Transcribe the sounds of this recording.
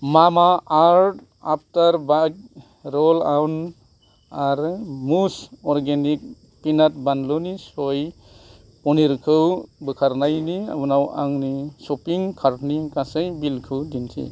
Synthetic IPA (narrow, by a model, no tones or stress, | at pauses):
mamaaɾt | ap̚ʰtaɾbak̚ | ɾɔlawn | aɾmusɔɾɡenik̚ | pinat̚banlonisoj | pɔniɾkʰɯwbɯkʰaɾnajnia̰bɯnawa̰ŋnisɔpiŋkʰaɾtnikasɯjbilkʰɯwdintʰḭ